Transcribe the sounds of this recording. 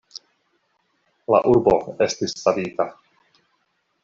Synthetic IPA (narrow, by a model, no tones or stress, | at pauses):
la̰ʔuɾbo̞e̞stisːavita